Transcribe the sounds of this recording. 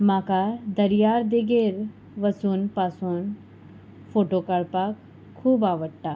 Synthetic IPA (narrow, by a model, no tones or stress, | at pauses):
mãkad̪əɾjaːɾd̪eɡeɾ | ʋəsuːnpasuːn | foʈokəɭpakʰː | uːbaːʋəɽʈ̪a